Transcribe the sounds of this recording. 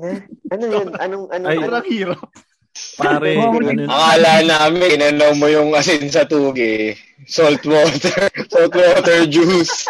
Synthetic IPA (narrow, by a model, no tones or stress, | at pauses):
ʔɐnojonʔɐnoŋʔɐnoɐiːɾɐp̚ | paɾɛɐŋaːlaːnaːɐmɪɪnɐnowmojʊŋʔɐsɪnsɐt̪uːɡɪ | solt̪woːt̪ɛɹsolt̪woːt̪ɛɹd͡ʒus